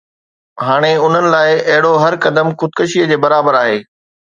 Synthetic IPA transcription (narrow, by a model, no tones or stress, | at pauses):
ɦaːɽ̃eʊn̤ənɪ̆laːɪɐɦɪɽoɦɐɾkɐd̪əmxʊd̪̚kəʃijəd͡ʑeːbɐɾaːbəɾaːɦeː